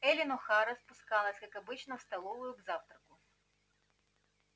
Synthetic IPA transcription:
ɛlʲɪnɔxaɾɐspʊskalˠəsʲkɐkɐbɨt͡ɕnɐwst̪ɐlˠɔvʊjʊvzaft̪ɾɐkʊ

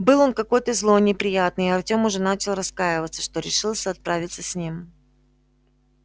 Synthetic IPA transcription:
bɨlˠo̞nkɐko̞jt̪əzlˠo̞nʲɪpɾʲɪjat̪̚nɨɪɐrtʲo̞mʊʐɛnat͡ɕɪlˠrɐskajɪvət̪sə̥ʂt̪o̞ɾʲɪʂɨlˠsʲəɐt̪̚pɾavʲɪt̪səsʲnʲim

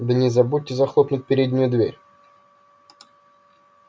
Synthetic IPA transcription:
d̪ənʲɪzɐbut̚ʲːɪzɐxlˠopnʊt̚ʲpʲɪɾʲedʲnʲɪjʊd̪vʲeɾʲ

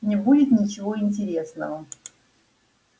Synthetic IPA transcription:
nʲɪbudʲɪt̪nʲɪt͡ɕɪvo̞ɪnʲt̬ʲɪɾʲesnəvə

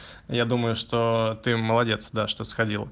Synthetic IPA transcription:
jad̪uməjʊʂt̪ot̪ɨməlˠɐdʲe̞t̪sd̪aʂt̪o̞sxɐdʲilˠə

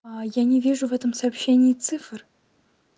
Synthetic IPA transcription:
ajanʲɪvʲiʐʊvɛt̪əmsɐːpɕːenʲɪjɪt̪sɨfr

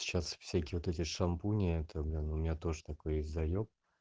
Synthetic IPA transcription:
t͡ɕasfsʲækʲɪːvot̪ɛtʲɪʂɐmpunʲɪɛt̪ʰəblʲinʊmʲɪnʲat̪o̞ʐət̪ɐko̞jesʲtʲzɐjok̚

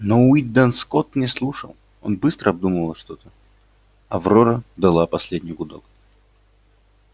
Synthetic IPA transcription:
noʊid̪ɐnskot̪nʲɪslˠuʂə̰lˠ | o̞̰nbɨst̪ɾəɐb̚d̪uməvəlˠʂt̪o̞t̪ə | ɐvroɾəd̪ɐlˠapɐsʲlʲedʲnʲɪjɡʊd̪o̰l

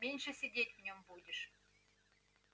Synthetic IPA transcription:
mʲenʲʃɘ̆sʲidʲet̪ʲvnʲompud̪ʲəʃ

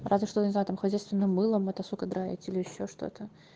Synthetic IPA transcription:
razvʲɪʂt̪ojənʲɪznaʊt̪amxɐzʲæjst̪vʲɪnːɨmːɨlˠəmɐt̪ɐsukəd̪ɾaɪ̰tʲilʲɪjɪɕːoʂt̪o̞̰t̪ʰə

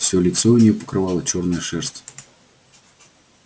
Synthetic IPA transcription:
fsʲolʲɪt̪soʊnʲɪjopə̥kɾɨvɑlˠət͡ɕo̞rnəjəʂɛrsʲtʲ

